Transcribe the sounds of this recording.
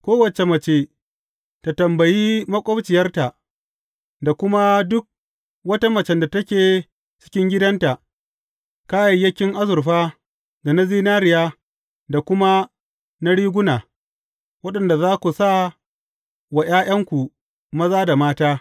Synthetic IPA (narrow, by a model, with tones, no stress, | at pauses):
kʷoː˦wɐ˨t͡ʃe˨mɐ˨t͡ʃe˨ | ta˨tɐ˨mbɐ˨jiː˦mɐ˦kʷʼɐ˦bt͡ʃɪ˨jɐ˦rta˨ | da˨kʷʊ˦ma˦dʊ˦k̚ | wɐ˦ta˦mɐ˨t͡ʃɛ˨nda˨tɐ˦kʲeː˨ | t͡ʃɪ̥˦kʲɪ˦ŋɡʲɪ˦dɐ˦nta˨ʔ | kaː˦jɐ˨jːɐ˦kʲɪ˦ŋʔa˦zʊ˨rɸaː˦ | da˨na˦ziː˦naː˦ɾɪ˨jaː˦ | da˨kʷʊ˦ma˦ | na˦ɽiː˦ɡʷʊ˦naː˨ | wɐ˦ɗɐ˨nda˨zaː˦kʷu˨sa˦˨ | wa˨j̰aː˦j̰ɐ˦ŋkʷu˨ | mɐ˦zaː˦da˨maː˦taː˦